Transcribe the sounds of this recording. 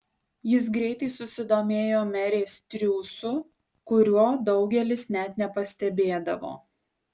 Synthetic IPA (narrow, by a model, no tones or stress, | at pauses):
jɪs̬ɡɾʲɛɪt̪ɐɪsʊsʲɪd̪oːmʲeːjoːmʲɛɾʲeːst̪ʲɾʲuːsʊ | kʊɾʲuɔd̪ɒʊɡʲɛlʲɪsnʲɛt̪nʲɛpɐsʲt̪ʲɛbʲeːd̪ɐʋo̰ː